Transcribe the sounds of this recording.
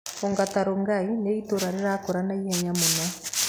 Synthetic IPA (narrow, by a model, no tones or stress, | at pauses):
oŋɡataɾoŋɡaineitoɾaɾeɾakoɾanajɛɲamona